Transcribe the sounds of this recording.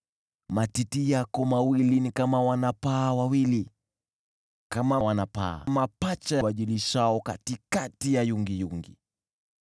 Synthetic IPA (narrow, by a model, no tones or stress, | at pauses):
matitijakɔmawilinikamawanapaːwawili | kamawanapa̰a̰mapat͡ʃajwaʄiliʃaɔkatikatijajuŋɡijuŋɡḭ